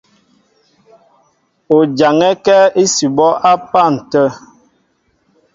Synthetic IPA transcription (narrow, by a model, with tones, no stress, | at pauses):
o˨d͡ʒa˨ŋɛ˦kɛ˦e˦si˨bɔ˦ʔa˦pa˦˨n̩˨tə˦˨